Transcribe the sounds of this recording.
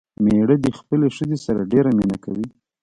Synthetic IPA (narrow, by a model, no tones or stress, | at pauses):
meɽəd̪əxpəleʃəzesaɾaɖeɾaminakawi